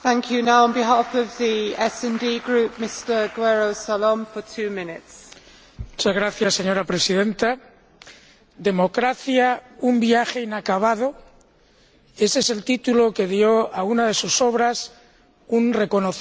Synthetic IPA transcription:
θæ̃ŋkʰjʉnaʊə̃nbɪɦɑːˑfəvðiɛsɛ̃ndiːɡɹʉˑp̚mɪstəɡwɛɹoʊsalɔ̃ɱfətʰʉːmɪ̃nɪts | mut͡ʃazɣɾaθjasːe̞ɲo̞ɾapɾe̞siðẽ̞nt̪a | d̪e̞mo̞kɾaθjaumbjaxe̞inakaβ̞aðo̞ | e̞seese̞lt̪it̪ulo̞ke̞ðjo̞aunaðe̞suso̞β̞ɾas | unre̞ko̞noθ

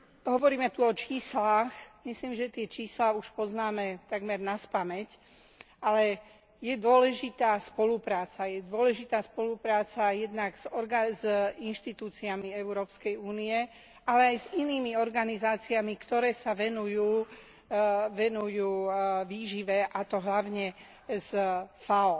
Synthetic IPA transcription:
ɦɔʋɔɾiːmɛt̪uɔt͡ʃiːslaxmisliːmʒɛt̪ɪɛt͡ʃiːslaːuʃpɔznaːmɛt̪aɡmɛɾnaspamɛc | alɛ | jɛd̪ʊɔlɛʒit̪aːspɔlupɾaːt͡sajɛd̪ʊɔlɛʒit̪aːspɔlupɾaːt͡sajɛd̪naɡz̥ɔɾɡazinʃt̪it̪uːt͡siamiɛʊɾɔːpskɛjuːnijɛ | ʔalɛajziniːmiɔɾɡanizaːt͡siamikt̪ɔɾɛːsaʋɛnujuː | ʋɛnujuːʋiːʒiʋɛʔat̪ɔɦlaʊɲɛ | zfaɔ

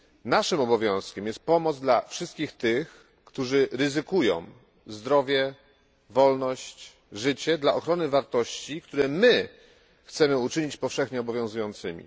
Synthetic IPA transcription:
naʂɘmɔbɔvʲjɔ̃w̃skʲɛmjɛst̪̚pɔmɔd̪zd̪lafʂɘst̪kʲixt̪ɘx | kt̪uʐɘɾɘzɘkujɔ̰̃w̃ | zd̪ɾɔvʲjɛ | vɔlnɔɕt͡ɕ | ʐɘt͡ɕɛd̪laʔɔxɾɔnɘvaɾt̪ɔɕt͡ɕikt̪uɾɛmɘ | xt̪sɛmɘut͡ʂɘɲit͡ɕpɔfʂɛxɲɛɔbɔvʲjɔ̃w̃zujɔ̃nt̪sɘmʲḭ

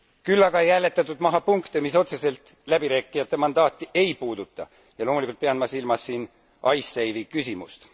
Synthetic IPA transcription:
kylːɑɡ̥ɑjælːe̞t̪ːˑɑt̪ːˑud̪mɑɦɑpuŋkt̪emiso̞t̪se̞se̞lt̪ˑ | læb̥iɾæːkːˑijɑt̪ːe̞mɑnd̪̥ɑːt̪ːˑiʔe̞jpuːd̪̥ut̪ːˑɑ | jɑlo̞ːmulikult̪̚peɑnmɑsilmɑsːiːn | ʔɑjsːejvikysʲimust̪

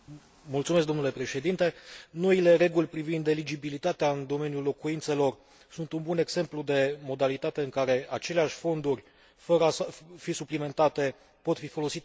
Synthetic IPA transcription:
mult̪sumes̬k̚d̪onule̞pɾe̞ʃe̞d̪int̪e̞no̞ile̞ɾe̞ɡulʲpɾivind̪elid͡ʒibilit̪at̪eaɨnd̪o̞me̞njulo̞kuint̪se̞lo̞r | sunt̪unbune̞ɡse̞mplud̪e̞mo̞d̪alit̪at̪e̞ɨŋkaɾe̞at͡ʃe̞leaʃʲfo̞nd̪urʲ | fəɾəsəfisuplime̞nt̪at̪e̞ | po̞t̪fifo̞lo̞sit̪

